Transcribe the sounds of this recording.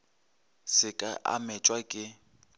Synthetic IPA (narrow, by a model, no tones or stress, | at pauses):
sɪkʼaʔa̰mɛt͡ʃʼwakʼɪ